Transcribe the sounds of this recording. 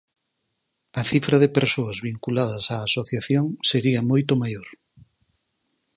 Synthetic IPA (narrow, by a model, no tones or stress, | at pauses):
ɐθifɾɐðepeɾsoɐzβiŋkulaðɐsaːsoθjaθjoŋseɾiɐmojt̪omajoɾ